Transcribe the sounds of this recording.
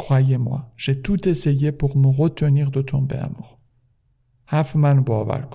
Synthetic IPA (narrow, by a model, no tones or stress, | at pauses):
kwajemwa̰ʒ̥et̪ʰut̪ʰesejepoʁmoʁot̪ʰːoniːʁd̪ot̪ʰombḛæ̰muʁ | hæfmænbɒːvæ̰ɾkʰ